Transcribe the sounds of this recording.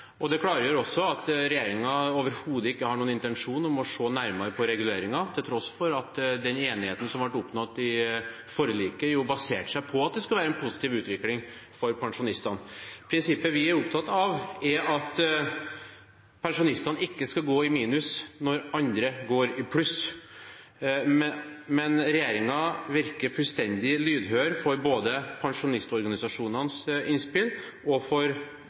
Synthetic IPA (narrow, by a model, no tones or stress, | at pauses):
ʔɔd̪ɛkʰlɑːɾəjøɾɔsːɔɑt̪ɾɛjeːɾɪŋɑoːʋəɾhuːd̪əɪkːəhɑɳuːnɪnt̪ɛnʂuːnɔmɔʂoːnæɾmɑɾəpʰɔɾɛɡʉleːɾɪŋɑt̪ʰɪlt̪ʰɾɔsfɔɾɑt̪d̪ɛneːnɪheːt̪ən̩sɔmʋɑʈʊpnɑt̪ːɪ | fɔɾəliːkəjuːbɑseːʈʂæɪpʰɔɑt̪̚d̪ɛskʉlʋæːɾɛnpʰʊsɪ̥t̪iːʋʉːt̪ʋɪklɪŋfɔɾpʰɑŋʂʊnɪst̪ɑnpʰɾɪnsɪpːəʋɪæɾʊpt̪ʰɑt̪ːɑʋɛɾɑt̪ | pʰɛnʂʊnɪst̪ɑnɪkːəskɑɡoːɪmiːnʉsnɔɾɑnd̪ɾəɡoːɾɪpʰlʉs | mɛnɾɛjeːɾɪŋɑʋɪɾkəɾfʉlst̪ɛnd̪ɪlyːd̪ɦøːɾfɔɾboːd̪əpʰɑŋʂʊnɪst̪ɔɾɡɑnɪsɑʂuːnɑnsɪnspɪl | ɔfɔɾ